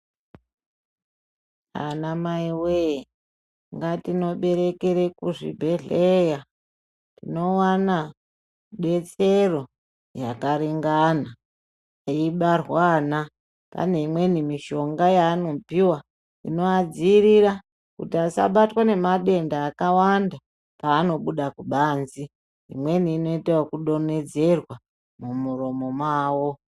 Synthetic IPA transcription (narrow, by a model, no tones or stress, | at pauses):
a̰namaiweji | ŋɡatino̞ɓe̞ɾe̞keɾekuʐḭbʱe̞ɮeja | tino̞wana | ɓe̞t͡sero̞ | jakaɾiŋɡana | iiɓarwana | pa̰neimwe̞nimiʃo̞ŋɡajaːno̞piwa | ḭno̞ad͡ziːɾiɾa | kutiasa̰ɓatwane̞maɗe̞ndaːkawanda | paːno̞ɓuɗakuɓaːnzi | imwe̞niːno̞itewakuɗo̞ne̞d͡ze̞rwa | mumuro̞mo̞mwaːwo̞